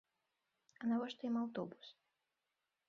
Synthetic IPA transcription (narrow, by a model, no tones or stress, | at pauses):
ɐnavɔʂt̪ɐjimawt̪ɔbus